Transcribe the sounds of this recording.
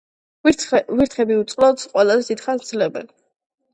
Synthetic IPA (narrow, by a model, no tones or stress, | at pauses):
viɾt̪χɛbiut̪sʼqʼlɔt̪sqʼwɛlˠazɛd̪it̪χand̪z̥lɛbɛ̰n